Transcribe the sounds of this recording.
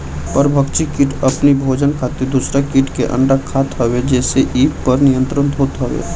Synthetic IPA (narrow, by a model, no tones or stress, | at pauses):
pəɾbʱəkt͡ʃikɪʈəpnibʱoːd͡ʒənkʰaːt̪ed̪uːsɾakɪʈkeʔə̰̃ɳɖakʰːaːt̪ɦəwed͡ʒɛːseʔiːppəɾnijə̃nt̪ɾənt̪ɦoːt̪ɦəʋḛː